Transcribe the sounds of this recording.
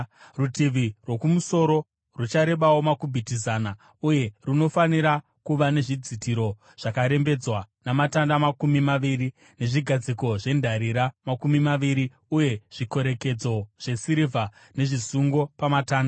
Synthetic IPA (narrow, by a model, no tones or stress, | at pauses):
rutiʋirwo̞kumuso̞ɾo̞ | rut͡ʃaɾe̞ɓawo̞makubʱitizaːna | uje̞runo̞faniɾa | kuʋane̞ʐid͡zitiɾo̞ | ʐ̥akaɾe̞mbe̞d͡zwa | namatandamakumimaʋiri | ne̞ʐiɡʱad͡ziko̞ʐe̞ndʱaɾiɾamakumimaʋiɾi | uje̞ʐ̥iko̞ɾe̞ke̞d͡zo̞ʐ̥e̞siɾivʱa | ne̞ʐisuŋɡo̞pamataːnda